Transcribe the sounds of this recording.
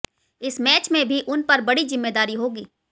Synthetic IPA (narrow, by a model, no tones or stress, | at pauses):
ɪsmɛːt͡ʃmẽbʱiʔʊnpɐɾbɐɽizɪmːeːd̪aːɾiɦoːɡiː